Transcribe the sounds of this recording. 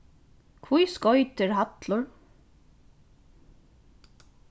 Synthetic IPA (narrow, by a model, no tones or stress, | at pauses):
kʰvujskɔjt̪ɪɹɦat̪lʊɹ